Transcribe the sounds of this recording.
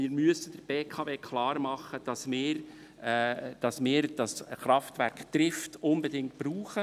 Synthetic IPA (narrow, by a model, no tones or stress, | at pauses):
ɪːɾmyəsəd̥əɾb̥eːkʰɑveːkʰχlɑːɾmɑχːəd̥ɑsmɪːɾ | d̥ɑsmɪːɾd̥ɑsχɾɑftvæɾkt̪ɾɪftʊnbɛdɪŋt̚b̥ɾuːχə